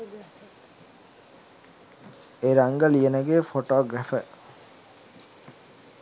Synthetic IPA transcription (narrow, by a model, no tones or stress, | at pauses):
eɾaŋɡəlienəɡeːfoʈoːɡɾæfə